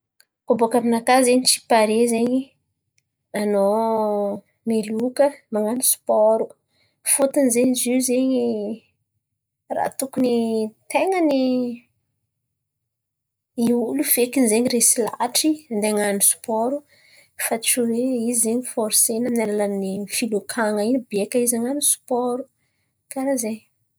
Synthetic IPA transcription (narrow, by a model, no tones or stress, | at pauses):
kobokaminakazeɲit͡ʃi̥paɾezeɲi | ano | melukəmaŋanisu̥pɔɾu | fot̪anzeɲizizeɲi | ra̰t̪ukunit̪eŋəni | iulufekinzeɲiresilaʈ͡ʂiand̪eaŋanisu̥pɔɾu | faʈ͡ʂuweizzeɲifɔɾsenənalalanifilukʰaŋəinibiekəizaŋanisu̥pɔɾu | kaɾazeɲ